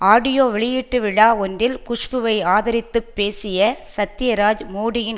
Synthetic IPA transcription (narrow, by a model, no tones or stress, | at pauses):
aːɽɪjoːʋɛɭɪjɪʈːɯʋɪɭaːɔndɪlkʊʂpɯʋɐɪaːðɐɾɪt̪ːɯpːeːsɪjɐsɐt̪ːɪjɐɾaːd͡ʒmuːɽɪjɪn